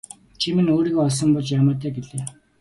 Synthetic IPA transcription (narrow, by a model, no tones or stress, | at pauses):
t͡ɕʰimĭnoːɾiːɣoːɔɮs̬ɞ̆mpɔɮt͡ɕjamʊːt̪ʰæːɡeɮeː